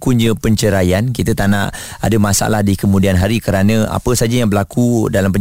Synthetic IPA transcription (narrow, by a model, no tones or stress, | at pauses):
kuɲd͡ʒəpəɲt͡ʃəɾajankit̪ət̪ana̰ʔ | adəmasa̰a̰lahdikəmũdianɦaɾikəɾanə̃a̰pəsad͡ʒajaŋbəlakʰudalampə